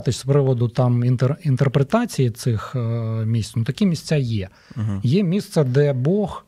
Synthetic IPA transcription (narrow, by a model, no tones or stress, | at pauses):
t̪ɪsʲspɾɪʋɔd̪ʊt̪ɑmint̪erint̪erpɾet̪ɑt͡sʲijit̪sɪxmʲisʲt̪nʊt̪ɐkʲɛmʲisʲt͡sʲajɛ | jɛmʲist̪sɛd̪ɛbɔx